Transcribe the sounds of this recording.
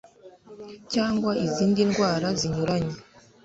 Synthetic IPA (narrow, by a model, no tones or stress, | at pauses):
caːŋɡwaiziːndinɡwaːɾaziɲuɾaɲe